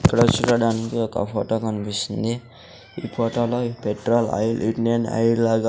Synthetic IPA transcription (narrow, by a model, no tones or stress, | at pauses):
ikːɐɽɐt͡ʃuːɾɐɽaːnikiɔkɐ̰pʰoːʈoːkɐnipist̪ind̪i | iːpʰɔːʈoːloːpeʈɾoːlɐ̰jlʔiʈnijɐnɐ̰jlaːɡa